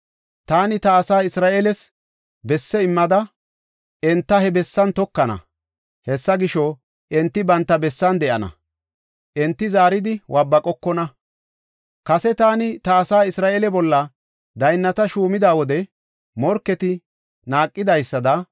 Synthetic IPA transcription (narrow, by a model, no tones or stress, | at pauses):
t̪aːnɪt̪ɐːsaːɪsɾaːʔelɛs | bɛsːɛɪmːɐd̪ɐ | ɛnt̪ːɐhɛbɛsːɐnt̪ɔkːɐnɐ̰ | hɛsːɐɡɪʃɔ | ʔɛnt̪ːɪbɐnt̪ːɐbɛsːɐnd̪ɛʔɐnɐ̰ | ʔɛnt̪ːɪzaːɾɪd̪ɪwʔɐbːɐkʼɔkːɔnɐ | kɐsɛt̪aːnɪt̪ɐːsaːɪsɾaːʔeːlɛbɔlːɐ | d̪ɐjnːɐt̪ɐʃuːmɪd̪aːwɔd̪ɛ | mɔɾkːɛt̪ɪ | naːkʼːɪd̪ɐjsːɐd̪ɐ